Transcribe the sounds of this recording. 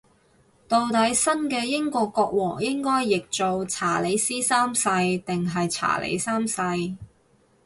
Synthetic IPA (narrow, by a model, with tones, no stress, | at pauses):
t̪o˧wt̪ɐ˨˥jsɐ˥nkɛː˧jɪ˥ŋkɔː˧kːɔː˧k̚wɔː˨˩ŋjɪ˥ŋkɔː˥jːɪ˨k̚t͡so˨˧wt͡sʰaː˨˩le˨˧jsiː˥saː˥msɐ˧jt̪ɪ˨ŋɦɐ˨jt͡sʰa̰ː˨˩lḛ˨˧jsaː˥msɐ˧j